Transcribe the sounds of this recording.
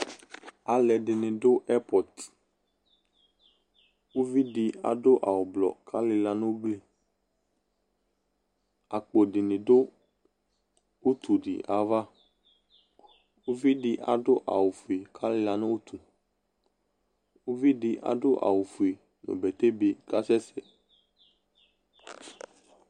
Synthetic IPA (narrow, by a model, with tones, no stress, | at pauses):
a˨lɛ˨ɖɪ˨nɪ̃˨do˦ʔɛ˦pɔ˨t | wo˦vi˦ɖɪ˨a̰˨ɖʊ˦ʔa̰˨wo˨blɔ̰˨kʰa˦lɪ˦la˨nʊ̃˦wo˦ɡ͡bli˦ | a˨k͡po˨ɖɪ˨nɪ̃˨do˦ | o˦t̪u˨ɖḭ˨ʔa˨va˦ | wo˦vi˦di˧ʔa̰˨ɖo˦ʔa˨wo˨fu˨e˨kʰa˦lɪ˦la˨nʊ̃˦o˦t̪ʰu˨ | wo˦vi˦di˧ʔa̰˨ɖo˦ʔa̰˨wo˨fu˨e˨ | no̰˨bɛ˨t̪e˦bi˨ka˦sɛ˦sɛ˨